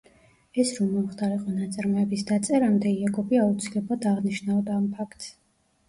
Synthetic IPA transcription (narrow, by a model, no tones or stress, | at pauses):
ɛsɾɔmɔmχd̪aɾiqʼɔnat̪sʼaɾmɔɛbisd̪at̪sʼɛɾamd̪ɛiaɡɔbiaut̪sʰilɛblˠad̪aʁniʃnaɔd̪aːmpʰakʰt̪ʼs